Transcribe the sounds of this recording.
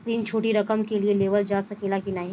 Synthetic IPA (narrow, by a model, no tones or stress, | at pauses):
t̪ɾiːnt͡ʃʰoːʈiɾɐkəmkelieleːʋəld͡ʒaːsɐkeːlakinaːɦĩ